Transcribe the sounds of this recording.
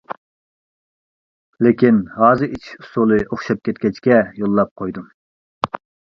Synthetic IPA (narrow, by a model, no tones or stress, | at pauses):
lɪkʲinhɑːzɨit͡ʃʰu̥sulˠɨʔoχʃɑp̚kʲʰɛt̪̚kʲɛt͡ʃkʲɛjolˠːɑp̚qʰojd̪u